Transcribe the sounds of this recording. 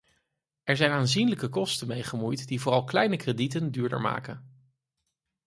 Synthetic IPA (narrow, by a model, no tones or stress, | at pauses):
ɛɹzɛjnaːnzinləkəkɔstənmejχəmujtdivʊːrɑlˠklɛjnəkreditəndyːɹdə̰ɹma̰ːkən